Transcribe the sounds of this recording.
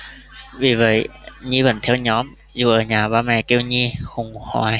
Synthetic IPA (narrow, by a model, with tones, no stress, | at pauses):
vi˨˩və̰˨˧˩jɲi˧və˨˩nt̪ʰɛ˧wɲɔ˨˦m | zu˨˩ʔəː˧˩ɲaː˨˩ɓaː˧mɛ̰˧˨˩ki˧wɲi˧xʊ˨˩ŋ͡mha̰˧˩j